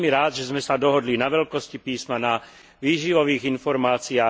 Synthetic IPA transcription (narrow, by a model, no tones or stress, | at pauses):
miɾaːd̪ʒɛzmɛsad̪ɔɦɔd̪linaʋɛʎkɔscipiːsmana | ʋiːʒiʋɔʋiːɣinfɔɾmaːt͡siaː